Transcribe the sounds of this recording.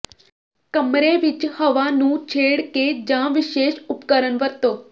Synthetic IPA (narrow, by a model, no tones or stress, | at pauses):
kəmɾeʋɪt͡ʃhəʋanũt͡ʃʰeːɽked͡ʒãʋɪʃeːʃʊpkəɾənʋəɾt̪oː